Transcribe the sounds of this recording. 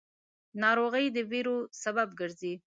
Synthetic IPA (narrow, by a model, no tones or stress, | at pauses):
nɑɾoɣəjd̪əveɾosababɡəɾzi